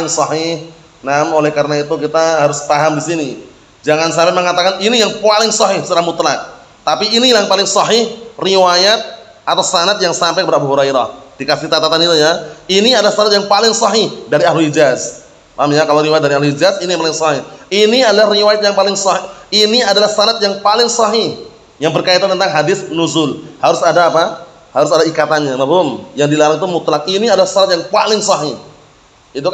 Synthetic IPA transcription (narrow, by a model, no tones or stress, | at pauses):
ɪŋsɑɦɪh | namolɛhkaɾənait̪ukit̪aɦaɾʊst̪aɦamdisini | d͡ʒaŋansaɾɪməŋat̪akaninijaŋpalɪŋsɔɦɪhsət̪ɾahmut̪lak̚ | t̪apiːnilaŋpalɪŋsɑɦɪhriwajat̪̚ | at̪awsanat̪̚jaŋsampajkəpadabuɦuɾajɾahd̥ikasiht̪at̪at̪anit̪ujainiadalast̪anat̪̚jaŋpalɪŋsɑɦɪhdaɾiahlulid͡ʒaz | mamjakalawɾiwajt̪̚daɾiaɦluid͡ʒazinijaŋpalɪŋsɔhɪhiniadalahriwajat̪̚jaŋpalɪŋsɔhɪhiniadalahsanat̪̚jaŋpalɪŋsɑɦɪh | jaŋbərkait̪ant̪ənt̪aŋɦadɪθnuzʊlhaɾʊsadaːpa | haɾʊs̬adaikat̪anɲamabʊmjaŋdilaɾaŋt̪umut̪lak̚iniadalahsanat̪̚jaŋpalɪŋsɔɦɪh | it̪̬uk